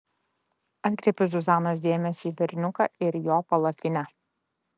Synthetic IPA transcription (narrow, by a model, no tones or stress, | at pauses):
ɐt̪ʲkʲɾʲeːpʲʊsʊzɑːnoːs̬d̪ʲeːmʲɛsʲiːʋʲɛɾʲnʲʊkɑ̰ɪɾjoːpɐlˠɐpʲɪnʲɛ